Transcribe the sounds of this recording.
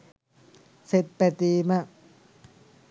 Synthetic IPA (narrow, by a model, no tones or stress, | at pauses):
set̪̚pɛt̪iːmaʔ